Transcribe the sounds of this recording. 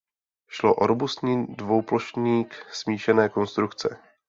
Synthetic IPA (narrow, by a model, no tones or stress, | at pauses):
ʃloʔoɾobust̪ɲiːdvo̞wploʃɲiːksmiːʃɛnɛːko̞nst̪ɾukt͡sɛ